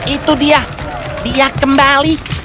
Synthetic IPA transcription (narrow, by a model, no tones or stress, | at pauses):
it̪udia | diakəmbali